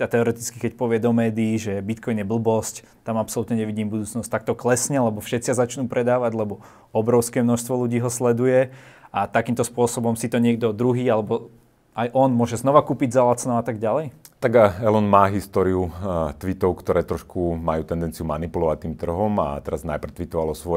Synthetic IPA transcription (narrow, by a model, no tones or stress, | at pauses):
at̪ɛɔɾɛt̪it͡skikɛcpɔʋɪɛd̪ɔmɛːd̪iːʒɛbit̪kɔjnjɛbl̩bɔsc | t̪amapsɔlut̪ɲɛɲɛʋiɟiːmbud̪uːt͡snɔsct̪ak̚t̪ɔklɛsɲɛlɛbɔfʃɛt̪t͡siazat͡ʃnuːpɾʔɛd̪aːʋaɟlɛbɔ | ɔbɾɔʊskɛːmnɔʃst̪ʋɔluɟiːɦɔslɛd̪ujɛat̪akiːmt̪ɔspʊɔsɔbɔmsit̪ɔɲɪɛɡd̪ɔd̪ɾuɦiːalɛbɔ | ajʔɔnmʊɔʒɛznɔʋakuːpiɟzalat͡sɛnɔat̪aɡɟalɛjt̪aɡaɛlɔnmaːɦist̪ɔɾiut̪ʋit̪ɔʊkt̪ɔɾɛːt̪ɾɔʃkʰumajuːt̪ɛnd̪ɛnt͡siumanipulɔʋac̚t̪iːmt̪r̩ɦɔma̰t̪ɛɾazna̰jpr̩t̪ʋit̪ɔʋalɔsʋɔɛ